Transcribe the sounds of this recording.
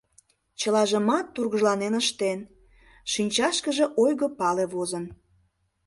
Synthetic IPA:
t͡ɕəlɑʒəmɑt̪ːurɣəʒlɑnenəʃt̪en | ʃinʲt͡ɕɑʃkəʒĕʔojɣopɑleβozən

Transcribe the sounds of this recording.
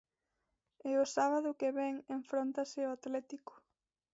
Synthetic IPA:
ɪʊsaβaðʊkeβɛŋeɱfɾont̪asɪoat̪lɛt̪ikʊ̥

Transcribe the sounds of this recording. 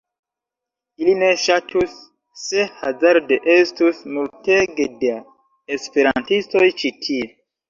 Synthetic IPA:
iline̞ʃatʰusː | e̞ha̰zaɾdeʔestusmulteɡede | espe̞ɾantisto̞jt͡ʃitʰie

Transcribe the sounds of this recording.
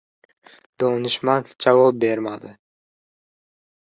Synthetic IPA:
d̪̥onɪʃmand͡ʒavɒp̚be̞ɾmad̪ɪ

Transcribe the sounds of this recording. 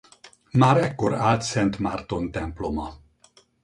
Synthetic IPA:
maːɾɛkːoɾaːlt̪sɛnt̪mart̪o̞nt̪ɛmplo̞mɒ

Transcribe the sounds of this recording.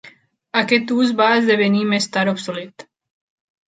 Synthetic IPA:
akɛt̪uːzbaːzd̪ɛʋɛniːmɛst̪aɾɔpsɔlit̪

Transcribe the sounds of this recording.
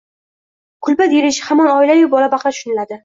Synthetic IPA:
qʰʊlˠbad̪eɾɪʃhamanɒɪlajʊbɒlabɑχlˠaʃʊnɪlad̪ɪ

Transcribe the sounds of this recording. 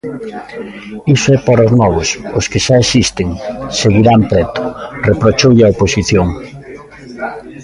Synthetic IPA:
isoɛpaɾoznɔβʊsʊskeʃaesist̪eŋseɣiɾampɾɛt̪ʊ̥repɾot͡ʃowʎaoposiθjoŋ

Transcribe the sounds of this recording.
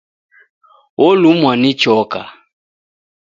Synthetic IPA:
ɔlumwanit͡ʃɔka̰

